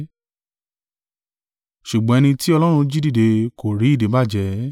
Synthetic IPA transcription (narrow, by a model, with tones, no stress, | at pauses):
ʃu˨ɡ͡bɔ̃˨ɛ˧nĩ˧ti˦ɔ˧lɔ˦ɾ̃ũ˧d͡ʒi˦di˦˨de˧ko˨ɾi˨˦˨de˨˦ba˦˨d͡ʒɛ˨˦